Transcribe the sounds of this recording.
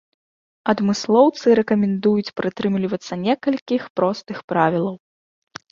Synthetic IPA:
ɐd̪mɨslˠɔwt̪sɨɾɛkɐmʲɛnd̪ujut͡sʲpɾɨt̪ɾɨmlʲivɐt̪sːɐnʲɛkɐlʲkʲixpɾɔst̪ɨxpɾavʲilˠɐw

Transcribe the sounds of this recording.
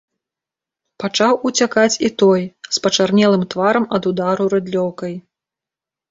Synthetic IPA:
pat͡ʂawut͡sʲakat͡sʲit̪ɔjspɐt͡ʂarnʲɛlˠɨmt̪vaɾɐmɐd̪ud̪aɾuɾɨd̪lʲɔwkɐj

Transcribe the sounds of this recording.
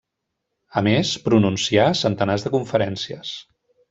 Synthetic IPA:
əmespɾununsiasənt̪ənazðəkuɱfəɾɛnsiəs

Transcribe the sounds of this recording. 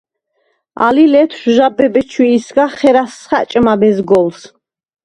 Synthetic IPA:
a̰lilɛt̪ʰʃʒabɛbɛt͡ʃʰwiːsɡaχɛɾasχa̰t͡ʃʼmabɛzɡɔls

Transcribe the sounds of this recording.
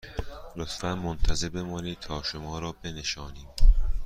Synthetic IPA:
lot̪fænmont̪ʰæzebemɒːniːt̪ʰɒːʃomɒːɾɒːbe̞ne̞ʃɒːniːm

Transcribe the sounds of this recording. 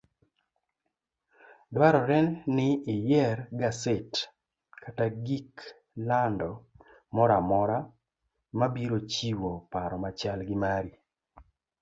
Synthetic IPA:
dwaɾɔɾɛnnɪːjɛrɡaset | kataɡik | landɔ | mɔɾamɔɾa | mabiɾot͡ʃiwopaɾɔmat͡ʃalɡɪmaɾi

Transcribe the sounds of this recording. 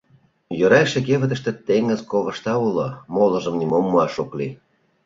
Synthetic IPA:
jøɾɑjʃĕkeβə̆t̪əʃt̪ĕt̪eŋə̆zkoβə̆ʃt̪ɑulomolə̆ʒə̆mnimomːuɑʃukli

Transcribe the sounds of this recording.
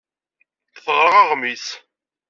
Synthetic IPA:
θθˤʁɾˤəʁɑʁmiθ

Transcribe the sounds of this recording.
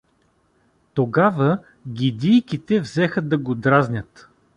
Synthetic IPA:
t̪oɡavə | ɡʲid̪ʲijkʲit̪ɛvzɛxəd̪ɐɡod̪ɾaznʲət̪

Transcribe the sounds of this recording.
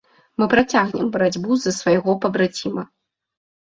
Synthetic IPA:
mɨpɾat͡sʲaɣnʲɛmbɐɾad͡zʲbuzɐsvajɣɔpɐbɾat͡sʲimɐ

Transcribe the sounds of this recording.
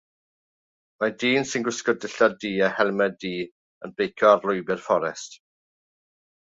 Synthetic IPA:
madiːnsɪnɡwɪskɔdɪɬadiːahɛlˠmɛdiː | ənb̥ejkʰɔarlˠʊjbɪrfɔɾɛst

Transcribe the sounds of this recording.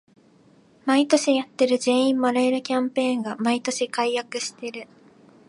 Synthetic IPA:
mait̪o̞ɕijat̪ːe̞ɾɯ̟d͡ʑe̞ːĩmːaɾaeɾɯ̟kʲãmpẽ̞ːŋɡamait̪o̞ɕikaijakɯ̟ɕi̥t̪e̞ɾɯ̟

